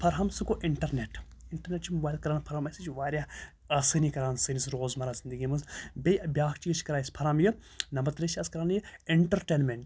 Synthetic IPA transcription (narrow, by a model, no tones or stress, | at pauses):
pʰɐɾɦɐmsɨkoʔiɳʈɐɾneʈ | iɳʈɐɾneʈt͡ʃʰimubaːjlkɐɾaːnpʰɐɾhamɐsɨt͡ʃʰʋaːɾʲja | ɐsɨnikɐɾaːnsɨnisɾoːzmɐɾaːzind̪əɡimɨzbʲejɐbʲjaːkʰt͡ʃiːt͡ʃkɐɾaːjispʰɐɾaːmjɨ | nɐmbɐɾt̪ɾet͡ʃʰiɐskɐɾaːnjieɳʈɐɾʈeːnmeɳʈ